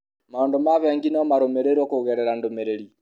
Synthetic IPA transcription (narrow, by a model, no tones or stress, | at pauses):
mandomaβɛŋɡinamaɾomɛɾeɾwakoɣɛɾɛɾandomeɾeɾi